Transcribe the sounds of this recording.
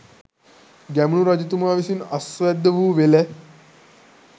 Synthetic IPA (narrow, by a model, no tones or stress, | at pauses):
ɡɛmɳuːɾad͡ʑit̪̬umaʋisiːnəsʋɛd̪ʱːəʋuːʋelɛ